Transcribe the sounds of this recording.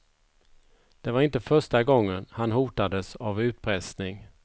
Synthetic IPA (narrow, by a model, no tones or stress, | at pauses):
d̪̥ɛvaɾɪnt̪əfœʂʈaɡɔŋːənhanɦuːt̪ad̪əsavʉ̟ːt̪̚pʰɾɛsnɪŋ